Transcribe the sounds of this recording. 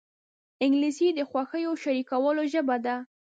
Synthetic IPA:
ɪŋɡlisid̪əxwaxəjoʃaɾikawəloʒəbad̪a

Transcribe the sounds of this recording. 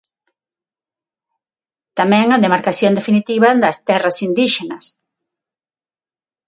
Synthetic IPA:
t̪amɛ̃ŋɐðemaɾkaθjond̪efinit̪iβɐðɐst̪ɛrɐsind̪iʃenɐs

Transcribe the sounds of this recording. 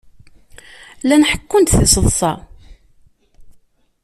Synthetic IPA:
lænħə̥kːʊnt̪θisəðˤsˤɑ

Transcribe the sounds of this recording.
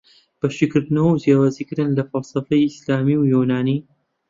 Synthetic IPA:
b̥ɐʃikɨɾd̪ɨnɐwɐwzjaːwazikɨɾɨnlɐfɐlsˤɐfɐjislaːmiwjunaːni

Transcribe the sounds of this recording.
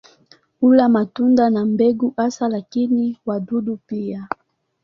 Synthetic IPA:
ulamatundanambɛɡuʔasalakiniwadudupia

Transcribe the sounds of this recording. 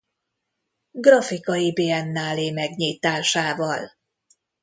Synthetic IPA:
ɡrɒfikɒjibeːɛnːaːleːmɛɡɲiːt̪aːʃaːvɒl

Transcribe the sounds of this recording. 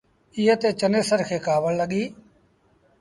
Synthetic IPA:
ɪjət̪eːt͡ʃəneːsəɾkʰeːkaːʋəlləɠiː

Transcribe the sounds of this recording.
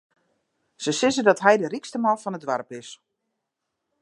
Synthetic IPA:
səsɪzədɔtɦɛjdərikstəmafɔnədʋarpɪs

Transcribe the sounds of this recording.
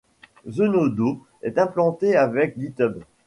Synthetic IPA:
zənod̪o | ɛt̪ɛ̃plɑ̃t̪eavɛk̚ɡit̪œb

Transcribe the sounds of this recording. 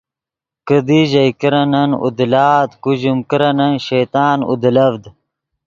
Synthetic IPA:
kəd̪iʑɐjkiɾɐnɐnṵd̪laːd̪kuʑumkiɾɐnɐnɕejt̪aːnṵd̪lɐvd̪

